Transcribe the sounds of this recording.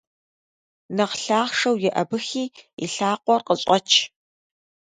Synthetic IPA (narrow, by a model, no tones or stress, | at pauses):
nɐqɬaːχʂɐwjɛʔɐbɨxiːḭɬaːqʷɔrqəɕʼɔt͡ʃʰ